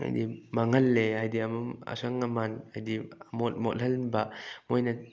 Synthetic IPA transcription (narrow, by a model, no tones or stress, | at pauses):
a̰jdimaŋɐlːeajdiamua̰saŋamanajdimɔt̚mɔthɐlnbamojnɐ